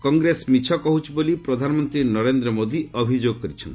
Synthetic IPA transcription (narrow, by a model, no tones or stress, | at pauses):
kɔŋɡɾesmit͡ʃʰɔkɔɦut͡ʃʰibolipɾɔd̪ʱanɔmɔnt̪ɾinɔɾend̪ɾɔmod̪iɔbʱid͡ʒoɡ̚kɔɾit͡ʃʰɔ̰nt̪